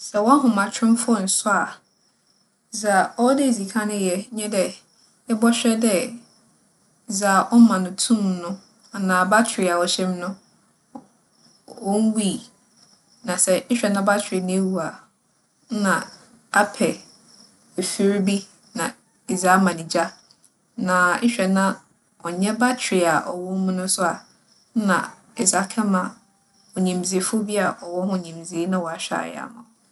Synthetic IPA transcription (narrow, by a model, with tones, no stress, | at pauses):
sɛ˨wɔ̃˦a˦ɦʊ̃˨mã˨t͡ɕʰᶣɪ̃˦m˦fɔ˦˨n̩˨sʊ˦a˨ | za˨ɔ˦dɪ˦˨zi˨kʰã˦nʊ̃˦jɛ˦ɲɛ̃˦dɛ˨ | ɛ˦bɔ˦ɕᶣɛ˦dɛ˦˨ | zaː˨ʔɔ˦mã˨nʊ̃˨tʰũ˦mnʊ̃˦ | a˨nãː˨ba˦t͡ɕʰᶣɾɪ˨a˨wɔ˨ɕɛ˦m˦nʊ̃˦ | ɔ˦ŋ̩˦wi˦˨ | nã˨sɛ˨ɪ˦ɕᶣɛ˨nã˦ba˦t͡ɕʰᶣɪ˨ɪ˨ñ˦e˦wu˨a˨˦ | nã˨ | a˦pʰɛ˨ | e˨fi˦ɾbi˦ | nã˨ | i˨za˦mã˨nĩ˨d͡ʑa˦ | nã˨˦ɕᶣɛ˨nã˦ | ɔ˨ɲɛ̃˦ba˦t͡ɕʰᶣɪ˨a˨ʔɔ̰˨wɔ˦m̩˦mʊ̃˦nʊ̃˦sʊ˦a˨˦ | nã̰˨ | ɛ˨za˨kʰɛ˦ma˨ | ɔ˨ɲĩ˨m˨zi˨e˨fʊ˦bi˦a˨ʔɔ˨wɔ˦hʊ̃˦˨ɲĩ˨m˨zi˨e˦nã˦wɔ˨a˨ɕᶣa̰˦˨j̰a̰˦mʊ̰̃˨